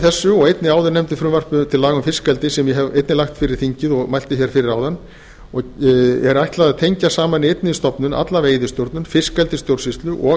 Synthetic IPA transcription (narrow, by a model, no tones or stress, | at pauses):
θɛsːʏɔɣejt̪nɪaːwðʏɾnɛmt̪ɪfɾʏmvar̥pʏt̪ʰɪlːaːɣʏmfɪskalt̪ɪsɛmjɛɦɛvḛjt̪nɪlaxt̪fɪɾɪɾ̥θiɲcɪðɔɣmajl̥t̪ɪçɛɾ̥fɪɾɪɾawðanː | ɔɣɛɾajht̪laðaðt̪ʰejɲcasaːmanɪejt̪nɪist̪ɔpnʏnʔa̰t̪laveːjðɪst̪jowɾt̪nʏnfɪskalt̪ɪst̪jowɾsist̪lʏʔɔ